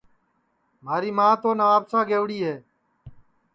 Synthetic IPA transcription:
maːɾiːmãːt̪oːnaaːbsãːɡeːʋɽiːɦeː

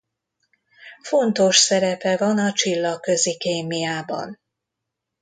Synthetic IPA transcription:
fo̞nt̪o̞ʃsɛɾɛpɛvɒnɒt͡ʃilːɒkø̞zikeːmijaːbɒ̰n

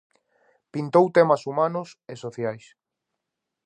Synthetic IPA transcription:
pint̪owt̪emɐsumanʊsesoθjajs

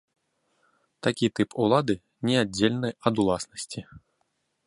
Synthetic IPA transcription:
t̪akʲit̪ɨpʰulˠad̪ɨ | nʲɛad͡zʲːelʲnɨɐd̪ulˠasnɐsʲt͡sʲi

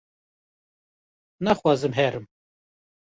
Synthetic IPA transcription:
nɑxwɑːzɨmɦɛɾɨm

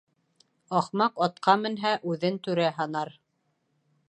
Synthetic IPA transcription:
ɑχmɑqɑt̪̚qʰɑmɘ̆nɦæʔʉðɘnt̪ʉɾæɦɑnɑɾ

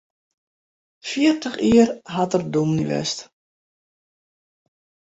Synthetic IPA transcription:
fiərtəχiərɦatərdumniʋɛ̰st

